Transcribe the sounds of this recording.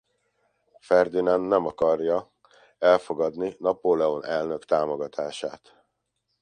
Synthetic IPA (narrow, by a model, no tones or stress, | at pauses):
fɛrd̪inanːɛmɒkɒrjɒ | ɛlfo̞ɡɒd̪ninɒpolɛo̞nɛlnø̞kt̪aːmo̞ɡɒt̪ʰaːʃaːt̪